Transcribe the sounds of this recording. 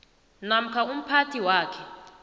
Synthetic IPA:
nam̩kʰaum̩pʰatʰiwaːkʰɛ

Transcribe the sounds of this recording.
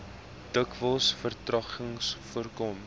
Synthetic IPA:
d̥əkvəlˠsfərtrɐχəŋsfuərkɔm

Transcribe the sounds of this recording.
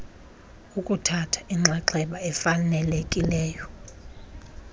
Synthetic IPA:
ukʼutʰatʰḁiŋ͡ǁʱaǃʰɛɓaɛfanɛlekʼilɛːjɔ

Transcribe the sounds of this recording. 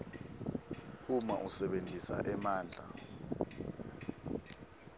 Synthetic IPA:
uma̰ʔusɛɓentʼisa̰ʔɛmaːnd͡ɮʱa̰

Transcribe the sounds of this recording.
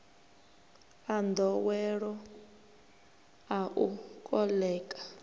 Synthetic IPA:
and̪ʱɔwɛɺɔ | aʔukʼɔlɛːkʼḁ

